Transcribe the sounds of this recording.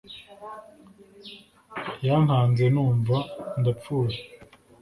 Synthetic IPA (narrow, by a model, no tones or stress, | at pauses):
janhaːnze̞nuːɱvandap͡fuːje